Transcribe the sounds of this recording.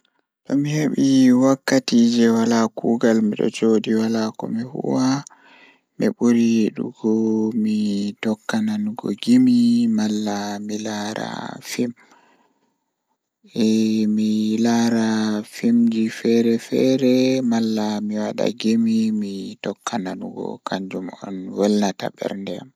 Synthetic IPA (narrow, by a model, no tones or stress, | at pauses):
ɗɔmiheɓiwakːatiːd͡ʒɛwalakuːɡalmiɗɔ̰t͡ʃoːdiwalakɔ̰mihṵwa | miɓuɾiɗṵɡɔmitɔkːananɡɔ̰ɡimimalːamilaːɾa̰fim | ɛmilaɾafimd͡ʒifɛɾɛfɛɾɛmalːamiwaɗa̰ɡimimitɔkːananuɡɔ̰kaɲd͡ʒumɔ̰nwɛlnata̰ɓɛ̰ɾndɛa̰m